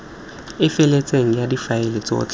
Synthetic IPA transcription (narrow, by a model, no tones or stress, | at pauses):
ɪfɛlɛt͡sʼeŋ̩jadifaɪlɛt͡sʼɔ̰t͡ɬʼ